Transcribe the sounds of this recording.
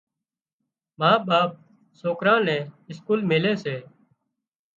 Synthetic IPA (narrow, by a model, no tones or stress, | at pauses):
maːɓaːp̚ | soːkɾãːnɛ̃ːɪskuːlmelẽːseː